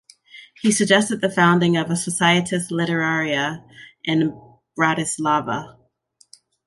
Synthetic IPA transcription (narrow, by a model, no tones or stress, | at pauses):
hisɨɡ̚d͡ʒɛstɨd̪̚ðɨfãʊ̃ndɪ̃ŋʌvəsəsaɪɨɾɨstˡlɪɾə˞ɛɹiɨʔɨ̃n | b̥ɹæɾɨslɑvə̰